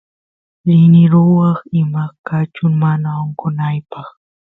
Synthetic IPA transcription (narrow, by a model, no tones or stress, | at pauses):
lɪnɪɾʊwɑχɪmakat͡ʃʊŋmanaoɴqʊnajpɑχ